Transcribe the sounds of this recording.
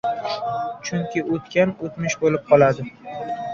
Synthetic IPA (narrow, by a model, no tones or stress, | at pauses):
t͡ʃʰʊŋkʲɪot̪kʲanot̪mɪʃbolɪp̚qʰɒlad̪ɪ